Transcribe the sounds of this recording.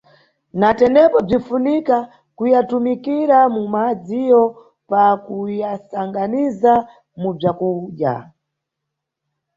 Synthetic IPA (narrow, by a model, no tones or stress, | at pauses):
natɛnɛpɔb͡ʐifunika | kujatumikiɾamumad͡zijɔ | pakujasaŋɡaniza | mub͡ʐakuɗja̰